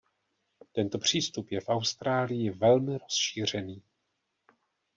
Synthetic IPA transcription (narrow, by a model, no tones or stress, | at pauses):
t̪ɛnt̪o̞pr̝̥iːst̪upjɛfʔawst̪ɾaːlɪjɪvɛlmɪɾo̞sʃiːr̝ɛniː